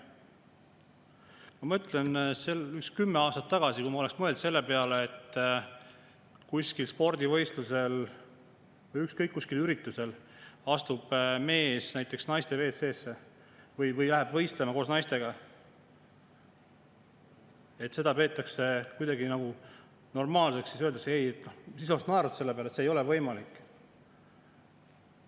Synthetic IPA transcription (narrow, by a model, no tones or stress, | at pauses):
mɑmɤt̪ːˑle̞nseykskymːeɑːst̪ɑt̪ːɑɡ̥ɑsikujmɑo̞leksmɤ̞e̞ld̪se̞lːepe̞ɑleet̪ːˑ | kusʲkilspo̞rd̪̥ʲivɤ̞jst̪luse̞l | vɤjykskɤjkːusʲkilyɾit̪ːˑuse̞l | ɑst̪ub̥me̞ːsnæjt̪ːˑeksnɑjst̪e̞ve̞ːt̪se̞ːsːe̞ | vɤjvɤjlæɦebvɤjst̪lemɑkoːs̬nɑjst̪e̞ɡ̥ɑ | e̞t̪ːˑse̞d̪ɑpe̞ːt̪ːˑɑkse̞kujd̪ɑɡinɑɡ̥u | no̞rmɑːlseksːis̬øld̪ɑkseejet̪ːnosisost̪nɑeɾut̪se̞lːepeæɾlɑst̪seːjo̞levɤjmɑlikːˑ